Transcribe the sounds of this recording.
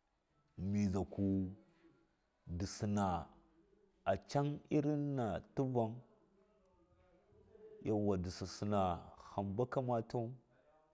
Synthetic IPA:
mi˨za˨ku˦ | di˨si˨na˨ | a˨t͡ʃa˦ŋi˦ɾi˦nːa˨tu˦va˦ŋ | ja˨wa˨di˨si˨si˨na˨xa˨mba˦ka˦ma˦ta˦

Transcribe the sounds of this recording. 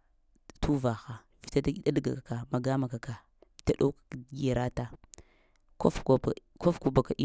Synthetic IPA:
tu˦va˨xa˨ | vi̥˨ta˦da˦dɡa̰˨a˨ka˨ma˨ɡa˦ma˨ka˨ka˨ | vi̥˨ta˦ɗo˦kḁ˨ɡe˨ɾa˦ta˦ | ko˦f | ko˦fku˦ba˨ka˨ʔi˦

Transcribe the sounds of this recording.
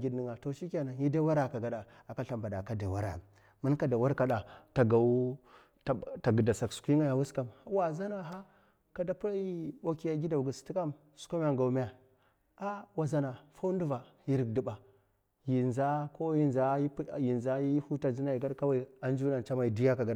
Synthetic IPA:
ɡi˦dni˨ŋa˨to˨ʃi˦kʲa˨na˨˦ji˦da˦wa˦ɾa˨ka˨ɡa˨ɗa˨ | a˨ka˦ɬa˨mba˨da˨ka˨da˨wa˦ɾa̰˨ | mu˦nka˦da˨wa˦ɾka˦ɗa˨ta˨ɡa˨˦˨ | ta˨ɡə˨da˨sa˨ksu̥˨kʷi˦ŋa˦ja˨wu˦ska˨mha˦wa˨za˦na˨ɦa˦ | ka˨da˨pu˦ɾa˦ji˦ɓo˦ki˦ja˨˦ɡʲi˦da˨u˨ɡə˨sti˦ka˦m | su̥˨˦ko˦m˦a˨ŋɡa˨u˨mi˦ja˨ | a˦wa˨za˨na˨fa˦u˦ndu˦va˨ | ji˦ɾi˨kdi˨ɓa˨ | ji˨nza˦ko˦ji˦nza˦ji˦pji˨nza˦ji˦hu˦ta˨zi˦na˨i˨ɡa˦ɗka˦wa˦i˨a˨n˦d͡ʒu˦na˨nt͡ʃa˦ma˨i˨di˦ja˦ka˨ɡa˦ɗa˨

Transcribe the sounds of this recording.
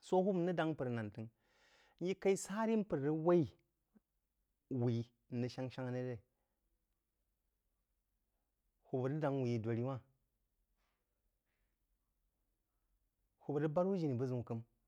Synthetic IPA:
so˦hu˦bnə˦da˦ŋ˦pɨ˨ɾna˨ntɨ˨ŋ | n̩˦ji˦ka˦i˦sa˦ɾi˦m˦pɨ˨ɾɾi˦wa˦i˦ | wi˨˦˨ | nɨ˨ʃa˦ŋʃa˦ŋa˦ne˦ɾe˦˨ | hu˨bə˨ɾi˦da˨˦ŋwi˨ji˨dʷo˨ɾi˦wa˦˨ | hu˨bə˨ɾə˦ba˦ɾwu˦d͡ʒi˨ni˨bə˦zu˨ŋ˨kɨ˦m

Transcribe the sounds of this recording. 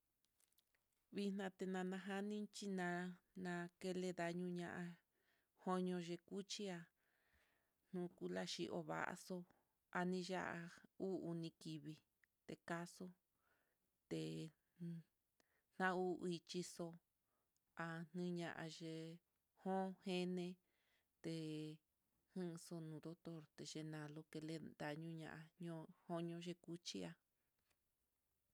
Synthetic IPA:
βi˦n̥nã˧t̪e˧nã˧nã˧ɦa˦nĩ˦t͡ʃi˦nã˧nã˧ke˧le˧ða˧ɲũ˧ɲã˧ʔã˧ | ho˦ɲõ˧ʒe˧ku˦t͡ʃi˦a˧ | n̥ũ˧˦ku˦la˧ʃi˧ʔo̰˧βa̰˨ʔa̰˧so˧ | a˧nĩ˧a˦ʔa˧u˦u˧nĩ˧ki˧βi˧ | t̪e˨ka˦so˦ | t̪e˨ | n̥ã˦u˦ʔi˧t͡ʃi˧so˧ | a˧n̥ɨ̃˦ɲã˧˨ʔa̰˧ʒe˧ | hõ˦he˦nẽ˧ | t̪e˧ | hɨ̃˦˧so˧nũ˨d̪o˦t̪o˦ɾt̪e˨ʒe˧nã˨lo˧ke˧le˧nd̪a˧˨ɲũ˦ɲã̰˧˨ʔa˧ɲõ˧hõ˦ɲõ˧˦ʒe˧˦ku˦t͡ʃi˦a˧

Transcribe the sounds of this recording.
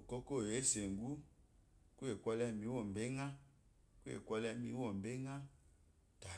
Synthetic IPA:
o˨kɔ˦ko˦˨e˨˦se˨ŋɡu˦ | ku˦e˨kʷɔ˦lɛ˦˨mi˨˦wo˦˨m˨be˦ŋa˦ | ku˦ḛ˨kwɔ˦lɛ˦mi˦wɔ˦˨m˨be˦ŋa˦ | ta˨

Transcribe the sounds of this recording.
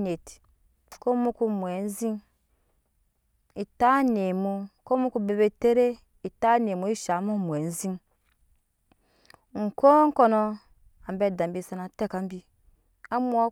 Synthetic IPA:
ne˨t | ko˦mu˦ku˦mu˨e˨n̩˦zi˦n | i˨ta˦ne˨mu˦ko˦mu˦ku˦be˨be˨te˦ɾe˦ | i˨ta˦n˨e˨mu˨˦i˦ʃa˨˦mu˦˨mu˨e˨n̩˦zi˦n | ŋ̩˨ko˦ŋ̩˦ko˦no˦ | a˨m˦be˦˨da˨m˨bi˦˨sa˦na˨te˦ka˨˦m̩˦bi˦ | a˦mu˦a˦

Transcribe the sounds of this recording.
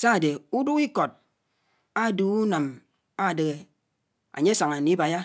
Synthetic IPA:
sa˦˨de˨u˦du˦ki˦ko˨t̚ | a˦˨duː˨u˦na˨m | a˦˨de˨ɣe˨ | a̰˨ɲe˦sa˨ŋa˨ni˦ba˨ja˦

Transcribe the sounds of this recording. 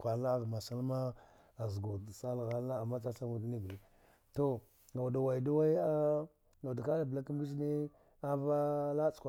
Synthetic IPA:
kʷa˨la˦ɣma˨sa˦lma˦ | a˨zɡu˨dsa˦lɣa˨˦a˦a˨mːa˦t͡ʃa˦t͡ʃa˦mu˨dni˦bli˦ | to˦ | ŋɡa˨wda˨wa˨i˨da˦wa˦i˦a˦ | ŋɡa˨da˨ka˦a˨bla˦ki˦m˦bi˦z̬ni˦ | a˦va˦la˦t͡skʷa˨

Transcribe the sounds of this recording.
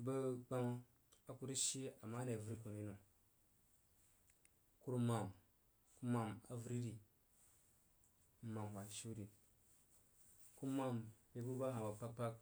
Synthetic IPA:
ba˦ɡ͡ba˦ŋ˦ | a˨ku˦ɾi˦ʃi˦a˨mːa˦ne˨vu˨ɾi˦ku˨ni˦no˨ | ku˦ɾma˨m | ku˦ma˨ma̰˨vu˨ɾi˦ɾi˨˦ | ma˨m˨wa˨ʃu˦ɾi˨ | ku˦ma˦mbe˨bu˦ba˦ɦa˨wa˨pa˦k̚pa˦k̚

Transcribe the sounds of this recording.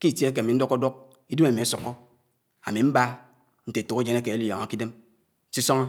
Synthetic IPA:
ki˦˨tje˦e˦ke˨mi˨n̩˦do˦ko˦do˦k̚ | i˦du˦me˨mi˨a˦sɔ˨kːɔ˦ | a̰˨mi˨m̩˦ba˦ | n̩˦te˨tu˨ke˦d͡ʒe˦ne˦ke˨e˦li˦˨jo˨ŋa˨ki˦de˦m˦ | si˦so˦ŋɔ˦

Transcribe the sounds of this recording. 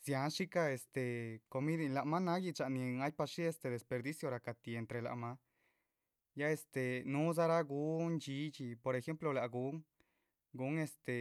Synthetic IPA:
sja˨˧nʂi˦ka˧e˨st̪e˨ko˧mi˦d̪i˧la˨ma˦na˦ɡi˧t͡ʃa˧˨ni˧ŋa˦jpa˧ʂi˦e˧st̪e˧d̪e˨spe˧ɾd̪i˦sjo˧ɾa˨ka˨t̪i˧e˧˨nt̪ɾe˧la̰˧ʔma˦ | ja˦e˧st̪e˨nu˦z̬a˦ɾa˦ɡu˦nt͡ʃi˧˦t͡ʃi˧po˧ɾe˧xe˦mplo˧la˨ɡu˨˦ŋ | ɡu˨˦ŋe˧st̪e˨

